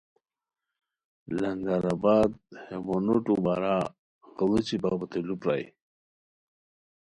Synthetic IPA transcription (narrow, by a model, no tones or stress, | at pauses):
laŋɡaɾabad̪hemonoʈubaɾa | ɣəlut͡ɕibabət̪elupɾa̰j